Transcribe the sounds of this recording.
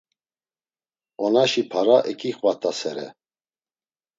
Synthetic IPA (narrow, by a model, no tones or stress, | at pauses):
ɔnaʃipʰaɾaʔɛkʼiχvat̪ʼasɛɾɛ̰